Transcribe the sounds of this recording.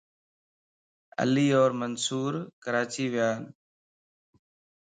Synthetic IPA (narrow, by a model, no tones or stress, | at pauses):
ə̰liːoːɾmənsuːɾkəɾaːt͡ʃiːʋɪjaːn